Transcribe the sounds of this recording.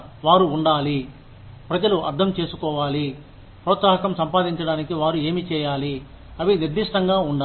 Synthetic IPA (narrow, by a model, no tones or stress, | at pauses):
ʋaːɾuːɳɖaːli | pɾɐd͡ʒɐluʔɐ̰ɾt̪ʰɐmt͡ʃe̞ːsukɔːʋaːli | pɾɔːt̪saːɦɐkɐmsɐmpaːd̪iɲt͡ʃɐɽaːnikiʋaːɾue̞ːmit͡ʃɛːjaːli | ɐʋiniɾd̪iʂʈɐŋɡaːuɳɖa